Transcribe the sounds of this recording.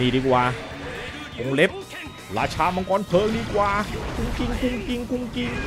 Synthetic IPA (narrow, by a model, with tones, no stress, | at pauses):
iː˧diː˧˩kwaː˧ | ko˧ŋle˦˥p̚ | laː˧t͡ɕʰaː˧mɔ˧ŋkɔː˧˥˨npʰɤː˨˦ŋdiː˧kwaː˧ku˧ŋki˧ŋku˧ŋki˧ŋku˧ŋki˧ŋ